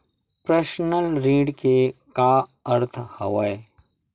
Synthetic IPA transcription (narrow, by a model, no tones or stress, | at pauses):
pɾɐsnəlɾĩːɖkekaːəɾt̪ʰhɐʋɐj